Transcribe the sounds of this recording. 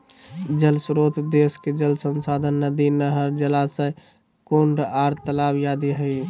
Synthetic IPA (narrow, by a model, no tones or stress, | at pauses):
d͡ʒəlsɾot̪ʰd̪esked͡ʒəlsənsad̪ʱənːəd̪inəɦəɾd͡ʒəlasə̃ | koɳɖaɾt̪əlabjad̪iɦəi